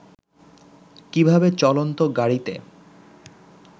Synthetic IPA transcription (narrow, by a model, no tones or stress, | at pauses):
kibʱabet͡ɕɔlont̪oɡaɽit̪ḛ